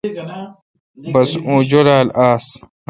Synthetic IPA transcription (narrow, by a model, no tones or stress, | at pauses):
bɐsũːd͡ʑoɾaːlaːs